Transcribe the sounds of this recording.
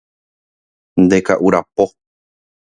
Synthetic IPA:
nd̪e̞kaʔuɾapo

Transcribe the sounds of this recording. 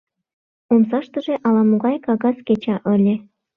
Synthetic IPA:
omsɑʃt̪ə̆ʒĕʔɑlɑmuɣɑjkɑɣɑsket͡ɕɑʔɤ̆lʲĕ

